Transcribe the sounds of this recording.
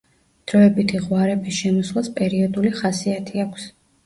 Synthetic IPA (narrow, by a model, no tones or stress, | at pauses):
d̪̥ɾɔɛbit̪ʰiʁwaɾɛbisʃɛmɔslˠaspʼɛɾiɔd̪uliχasiat̪ʰiakʷʰs